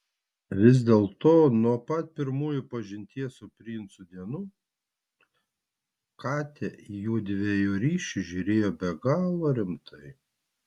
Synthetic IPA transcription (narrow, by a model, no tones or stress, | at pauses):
ʋʲɪzd̪ʲeːlˠt̪oːnuɔpɐt̪̚pʲɪɾmuːjʊpɐʒʲɪnʲt̪ʲiɛsʊpʲɾʲiːɪnt̪sʊd̪ʲiɛnuː | kɑːt̪ʲɛjuːd̪ʲʋʲejuːɾʲiːʃʲʊʒʲʊɾʲeːjoːbʲɛɡɑːlˠoːɾʲɪmt̪ʰɐɪ